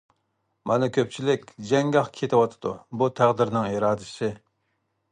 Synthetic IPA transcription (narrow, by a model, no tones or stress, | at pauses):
mɑnɪkʲʰøp̚t͡ʃʰilɪkʲd͡ʒɛŋɡɑχkʲʰet̪ʰɪwɑt̪ʰɨ̥d̪ubut̪ʰæʁd̪ɪɾnɨŋiɾɑːd̪ɪʃɪ